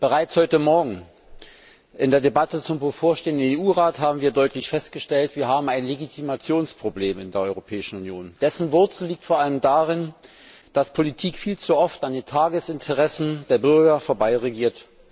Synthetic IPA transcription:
b̥əʁaɪt͡shɔʏtəmɔɐɡŋ̩ | ʔɪndeːɐdebatət͡sʊmbəfoːɐʃteːəndən̩eːuːʁaːthaːbm̩viːɐdɔʏtlɪçfɛst̚ɡ̥əʃtɛltv̥iːɐɦaːbm̩aɪnleɡitʰimat͡sjoːnspʁ̥obleːmɪndeːɐɔʏʁopʰɛːɪʃn̩unjoːnd̥ɛsn̩vʊɐt͡sl̩liːk̚tfoɐʔaləmdaːʁɪn | d̥aspʰolitʰiːkfiːlt͡suʔɔftandeːntʰaːɡəsɪntʰəʁɛsn̩deːɐbʏɐɡɐfoːɐbaɪʁeɡiːɐt

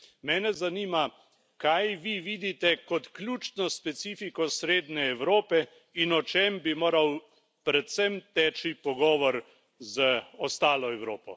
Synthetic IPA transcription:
mɛːnɛzaniːma | kajʋiʋiːd̪it̪ɛkɔt̪klʲjuːt͡ʃnɔspɛt̪siːfikɔsɾeːd̪nɛːwɾoːpɛ | inɔt͡ʃembimoːɾaw | pɾɛt̪sɛmt̪ɛːt͡ʃipɔɡɔːʋɔɾ | zəɔst̪aːlɔɛwɾoːpɔ̰

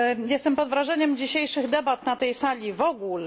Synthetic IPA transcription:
jɛst̪ɛmpɔd̪vɾaʐɛɲɛmd͡ʑiɕejʂɘɣd̪ɛbat̪nat̪ɛjsalʲivɔɡul

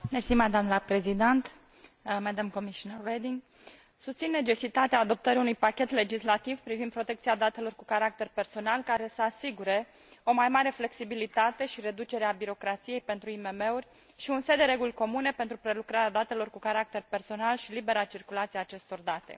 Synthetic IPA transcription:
nesimad̪amnləpɾezid̪ent̪ | mɛd̪əmko̞miʃonerːed̪iŋɡ | sust̪sinːe̞t͡ʃe̞sit̪at̪eaːd̪o̞p̚t̪əɾiunujpakʲe̞t̪le̞d͡ʒislat̪ivpɾivind̪pɾo̞t̪e̞kt̪sijad̪at̪e̞lo̞rkukaɾak̚t̪e̞rpe̞rso̞nalkaɾe̞səasiɡuɾe̞ | o̞majmaɾe̞fle̞ksibilit̪at̪e̞ʃiɾe̞d̪ut͡ʃe̞ɾeabiɾo̞kɾat̪sije̞jpe̞nt̪ɾuime̞me̞urʲ | ʃiunse̞d̪eɾe̞ɡulʲko̞mune̞pe̞nt̪ɾupɾe̞lukɾaɾead̪at̪e̞lo̞rkukaɾak̚t̪e̞rpe̞rso̞nalʃilibe̞ɾat͡ʃirkulat̪siaːt͡ʃe̞st̪o̞rd̪at̪e̞̰

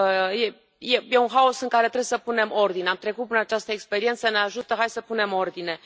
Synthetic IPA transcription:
je | jeje̞unɦaosɨŋkaɾe̞t̪ɾewjesəpune̞mo̞rd̪ineamt̪ɾe̞kut̪̚pɨnəat͡ʃast̪əekspe̞ɾie̞nt̪səne̞aʒut̪əɦajsəpune̞mo̞rd̪ine̞

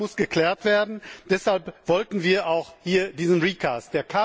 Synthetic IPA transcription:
ʊsɡ̥əkl̥ɛːɐtv̥eːɐdn̩d̥ɛshalpv̥ɔltn̩viːɐʔaʊxhiːɐdiːzn̩ʁiːkʰaːst̚d̥eːɐkʰa

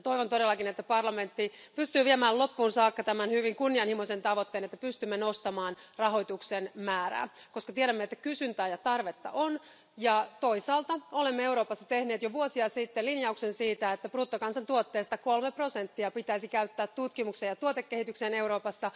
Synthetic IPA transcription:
t̪o̞iʋont̪odelːɑkinet̪ːæpɑrlɑme̞nt̪ːipyst̪yːʋiemæːlo̞pːuːnsɑːkːɑt̪æmænhyʋiŋkunːiɑnhimose̞nt̪ɑʋo̞t̪ːeːnet̪ːæpyst̪ymːenost̪ɑmɑːnrɑɦo̞jt̪uksenmæːɾæ̰ːko̞skɑt̪ieɾæmːet̪ːækysynt̪æːjɑt̪ɑrʋet̪ːɑ̰ʔon | jɑt̪o̞isɑːlt̪ɑolemːeewɾo̞ːpɑsːɑt̪e̞hne̞ːt̪joʋuosiɑsit̪ːelinjɑuksensiːt̪æet̪ːæpruːt̪ːokɑnsɑnt̪uot̪ːeːst̪ɑko̞lmepro̞sent̪ːiɑpit̪æisikæyt̪ːæːt̪ːut̪kimuksejɑt̪uot̪ekːehit̪ykseːne̞uwɾo̞ːpɑsːɑ

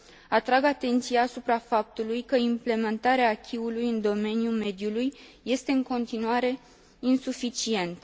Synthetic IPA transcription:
at̪ɾaɡat̪e̞nt̪sijaːsupɾafap̚t̪ulujkəimple̞me̞nt̪aɾeaːkʲʰiulujɨnd̪o̞me̞njume̞d̪julujjːe̞st̪e̞ɨŋko̞nt̪inuaɾe̞ | insufit͡ʃie̞nt̪

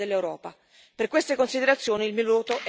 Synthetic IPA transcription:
elːewɾɔːpa | perkwest̪ekonsid̪eɾat̪sːjoːnilmiluːt̪oʔ

